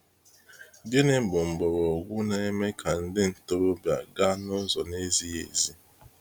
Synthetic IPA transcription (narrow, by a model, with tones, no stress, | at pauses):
bje˦ne˦˨bʊ˨m̩˨ɡ͡bɔ˨ɾɔ˨ɡʷʊ˦na˨e˦me˦kʰa˨n̩˦dɪ˦n̩˨to˦ɾo˦bja̰˨ɡa˦nʊ˦zɔ˨ne˦zi˦jḛ˨zi˦